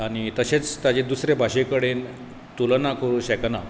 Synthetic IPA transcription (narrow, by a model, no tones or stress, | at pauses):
añit̪əɕet͡st̪jad͡ʑed̪usɾebʱaɕekəɽen | t̪ulənakʰoɾuɕekna